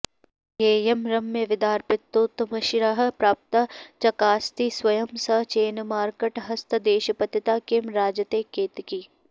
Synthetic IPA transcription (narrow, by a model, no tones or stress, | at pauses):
eːjemɾɐmːeʋɪd̪aːɾpɪt̪ːoːt̪mɐʃɾaɦɐ̆pɾaːp̚t̪at͡ʃɐkaːst̪iswɐjɐmsɐt͡ʃeːnmaːɾkeʈɦɐst̪ʰɐd̪eːʃɐpɐt̪ːɐt̪aːkɪmɾaːd͡ʒɐt̪eːkeːt̪kiː